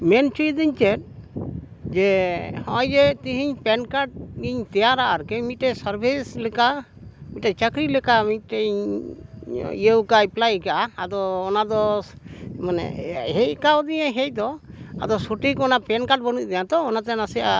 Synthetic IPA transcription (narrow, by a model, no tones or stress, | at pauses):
mɛnt͡ʃujd̪iɲt͡ʃɛt̚ | d͡ʒɛhɔ̃jd͡ʒɛt̪iɦiɲpɛnkaʈ̚ɡiɲt̪ɛjaɾaʔaɾkɛmiʈɛsaɾbʱislɛkamiʈɛt͡ʃakɾilɛkamiʈɛɲ | ijewkajplajkaʔaːd̪ɔːnad̪ɔ | manɛ̰ɦɛj̚kawd̪iɲɛɦɛc̚d̪ɔa̰d̪ɔsuʈikɔnapɛnkaʈ̚bənut̚d̪ɛjat̪ɔːnat̪ɛnasia